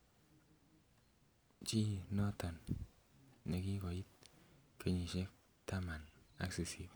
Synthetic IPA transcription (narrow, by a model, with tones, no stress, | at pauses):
t͡ʃi˦nɔ˦tɔ˨nː | e˨ki˦kɔ˨i˦t̚ke˨ɲi˨ʃe˦k̚ | ta˦ma˨na̰˦kse˨si˨b